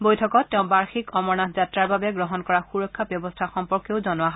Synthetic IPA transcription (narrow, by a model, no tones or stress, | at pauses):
bojtʰɔkɔtːɛʊ̃baɹxikɔmɔɹnatʰzatɹaɹbabɛɡɹɔɦɔnkɔɹaxuɹɔkʰːabjɔbɔstʰaxɔmpɔɹkjeʊzɔnoaɦɔ